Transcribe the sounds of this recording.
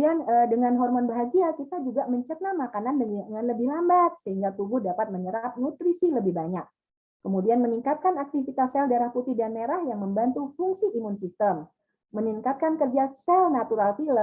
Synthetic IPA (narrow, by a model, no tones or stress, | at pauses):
ianədəŋanɦɔrmɔnbəɦaɡiakit̪ad͡ʒuɡaʔməɲt͡ʃərnamakanandəŋanləbɪhlambat̪̚səhiŋɡat̪ubudapat̪̚məɲəɾap̚nut̪ɾisiləbɪhbaɲak̚ | kəmudianməniŋkat̪̚kanak̚t̪ifit̪asɛldaɾahput̪idanmeɾahjaŋməmbant̪ufuŋsiʔimunsist̪əm | məniŋkat̪̚kankərd͡ʒasɛlnat̪uɾalt̪ilə